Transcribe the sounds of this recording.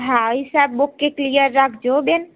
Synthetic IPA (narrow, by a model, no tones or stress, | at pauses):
ɦãisabːokːeklijəɾːakʰd͡ʒoben